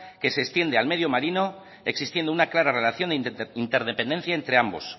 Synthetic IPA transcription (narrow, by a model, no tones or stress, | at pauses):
ke̞sekst̪je̞nd̪ealme̞ðjo̞maɾino̞ | e̞ksist̪je̞nd̪ounaklaɾare̞laθjo̞nd̪eint̪eɾðepe̞nd̪e̞n̟θjae̞nt̪ɾe̞ambo̞̰s